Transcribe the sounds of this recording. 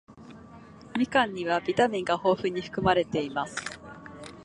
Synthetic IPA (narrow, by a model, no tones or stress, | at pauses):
mʲikãɲ̟ːiβabʲit̪amʲĩŋɡaho̞ːɸɯ̟ɲ̟iɸɯ̟̥kɯ̟maɾe̞t̪e̞imasɨ̥